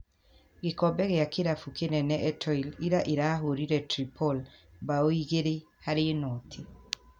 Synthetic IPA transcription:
ɣekɔbɛɣeakeɾafukenɛnɛʔɛtʰɔiliɾaʔeɾaːɦoɾiɾɛtɾipʰɔlbaoiɣeɾe | haɾenɔtʰe

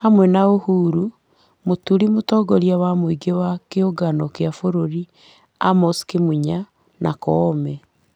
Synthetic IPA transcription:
hamwɛnaohuːɾu | motuɾimotɔːɡɔɾjawamwiɡewakeoɡanɔkeafoɾoɾi | amɔskemuɲa | nʔa̰kɔːmɛ

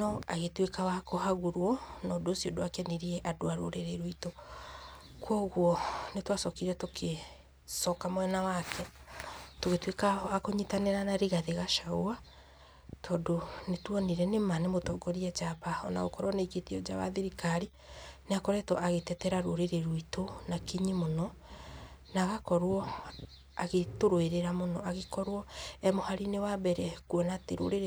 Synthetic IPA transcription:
nɔaɣetwekawakohaɣuɾwɔnɔdoːsijodoakɛneɾiɛʔadoaɾo̰ɾeɾeɾoito | kwɔɣwɔnetwasɔkiɾɛtokʰe | sɔkamwɛnawakʰɛ | toɣetwekawakoɲitaneɾanaɾiɣaðeɣaʃaua | tʰɔːdonetwɔniɾɛnemanemotɔɡɔɾiad͡ʒaβaɔna̰ɣo̰kɔɾwɔneiɡetiɔd͡ʒaβa̰ðeɾikaɾi | neakɔɾɛtɔʔaɣetɛtɛɾaɾoɾeɾeɾoitonakiɲimonɔ | naɣakɔɾwɔ | aɣetoɾoeɾeɾamonɔaɣekɔɾwɔɛmohaɾinewabɛɾɛkuɔnateɾo̰ɾeɾ

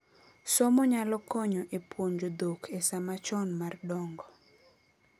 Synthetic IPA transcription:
sɔmɔɲalɔkɔɲɔʔepwoɲd͡ʒod̪okʰesamat͡ʃɔnmardɔŋɡɔ

